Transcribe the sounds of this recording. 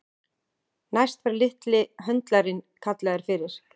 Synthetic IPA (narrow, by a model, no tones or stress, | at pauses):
najst̪vaɾlɪht̪lɪɦœnt̪laɾɪnkʰat̪lɛɣɪɾ̥fɪɾɪɾ̥